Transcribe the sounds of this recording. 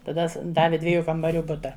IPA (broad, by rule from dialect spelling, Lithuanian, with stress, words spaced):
tɐˈdɐ s ˈdɑːʋʲɪ ˈdʲʋʲiɛjuː kɐmbɐˈrʲuː ˈbʊtɐ